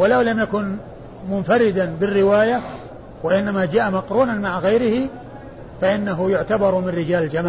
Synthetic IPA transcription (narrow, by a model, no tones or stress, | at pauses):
wɪlawlamjakʊn | mʊnfaɾɪd̪abɪrːɪwaːja | waʔɪnːamad͡ʒaːʔamaqɾuːnanmaʕaɣajɾɪhɪ | faʔɪnːaɦʊjʊʕt̪abɑɾˤmɪnɾɪd͡ʒaːld͡ʒamaː